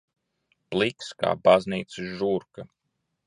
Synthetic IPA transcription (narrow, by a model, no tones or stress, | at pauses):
plˠikska̰ːbazniːt̪sɨʒuɾka